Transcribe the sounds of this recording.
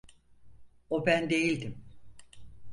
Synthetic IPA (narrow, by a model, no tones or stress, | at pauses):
obænd̪e̞jilʲd̪im